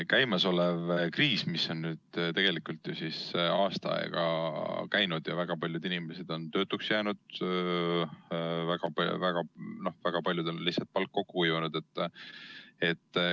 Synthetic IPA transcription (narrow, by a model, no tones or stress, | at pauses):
kæjmɑso̞levkriːsmiso̞nːnyːd̪̥t̪e̞ɡ̥e̞likult̪jusisɑːst̪ɑɑ̰ḛɡ̥ɑ̰kæjnud̪̥jɑvæɡ̥ɑpɑlʲjud̪inime̞se̞d̪̥o̞nt̪ø̞ːt̪ːˑuksjæːnud̪̥̚ | væɡ̥ɑpvæɡ̥ɑno̞hvæɡ̥ɑpɑlʲjud̪o̞nlihsɑlt̪̚pɑlkːo̞kːuujuunud̪̥e̞t̪ːˑ | et̪ː